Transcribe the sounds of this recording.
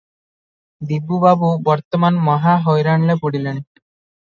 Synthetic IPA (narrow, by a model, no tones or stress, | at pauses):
d̪ibːubabubɔɾt̪ɔmanmɔɦaɦɔjɾaɳlepuɽileñi